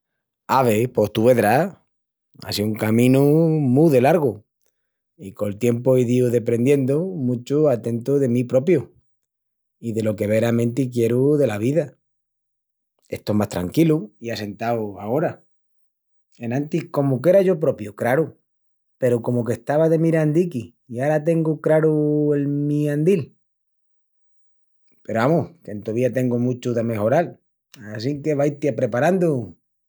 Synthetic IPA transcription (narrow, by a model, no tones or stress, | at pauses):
aβe̞po̞ht̪uβe̞ðɾa | a̰siuŋkamĩnumuðe̞laɾɣo | ikolt̪je̞mpoiðiuðe̞pɾe̞nd̪je̞nd̪omũt͡ʃuat̪e̞nt̪oðe̞mipɾo̞pjo | iðe̞lo̞ke̞β̞e̞ɾamẽ̞nt̪ikje̞ɾuðe̞laβiða | e̞̰ht̪omast̪ɾa̰ŋkiluiase̞nt̪awao̞ɾa | e̞nãnt̪ihko̞muk̬e̞ɾaʝo̞p̬ɾo̞pjukɾaɾu | pe̞ɾuko̞moke̞ht̪aβaðe̞miɾand̪iki | iaɾat̪e̞ŋɡukɾaɾue̞lmiand̪il | pe̞ɾoβamohke̞nt̪oβiat̪e̞ŋɡumut͡ʃuðame̞ho̞ɾal | asiŋke̞βajt̪japɾe̞paɾand̪u